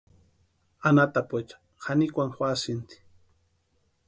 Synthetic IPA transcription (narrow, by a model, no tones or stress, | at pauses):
anat̪apet͡ʃḁ | xanikʷaŋxwasɪnt̪i̥